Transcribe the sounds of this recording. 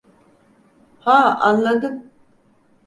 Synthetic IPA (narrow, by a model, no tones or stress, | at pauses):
haːanlːad̪ɯm